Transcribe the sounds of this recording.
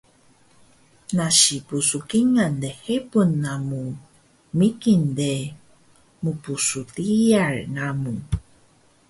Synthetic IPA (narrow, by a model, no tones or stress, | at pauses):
naʃipusukiŋand̪ehepunːamu | mikinde | mupusut̪ijarnamu